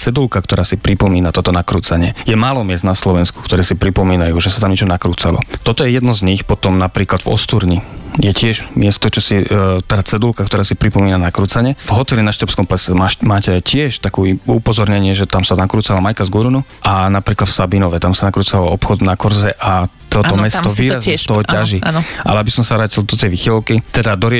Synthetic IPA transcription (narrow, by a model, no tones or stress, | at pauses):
t͡sɛd̪ulkakt̪ɔɾaːsipɾipɔmiːnat̪ɔt̪ɔnakɾuːt͡saɲɪɛjɛmaːlɔmɪɛszd̪naslɔʋɛnsku̥kt̪ɔɾɛːsipɾipɔmiːnajuːʒɛsat̪amɲɛt͡ʃɔnakɾuːt͡salɔ̰t̪ɔt̪ɔjɛjɛd̪nɔzɲixpɔt̪ɔmnapɾiːklad̪vɔ̰st̪uɾɲijɛcɪɛʒmɪɛst̪ɔt͡ʃɔsit̪aːt͡sɛd̪ulkakt̪ɔɾaːsipɾipɔmiːnanakɾuːt͡saɲɛvɦɔt̪ɛlinaʃt̪ɾɔpskɔmplɛsɛmamaːcɛcɪɛʃt̪akuːupɔzɔɾɲɛɲɪɛʒɛt̪amsanakɾuːt͡salamajkazɡuɾunuʔanapɾiːklat̪fsabinɔʋɛt̪amsanakɾuːt͡salɔɔpxɔd̪nakɔɾzɛʔat̪ɔt̪ɔmɛsɔʋiːɾazɛst̪ɔɦɔaʒiʔa̰lɛabisɔmsaʋɾaːcild̪ɔt̪ɛjʋixɛlkit̪ɛd̪ad̪ɔɾɪɛ